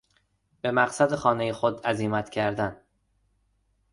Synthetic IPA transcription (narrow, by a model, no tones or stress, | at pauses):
b̥e̞mæqsæd̪exɒːne̞jexo̞d̪æziːmæt̪cʰæɾd̪æn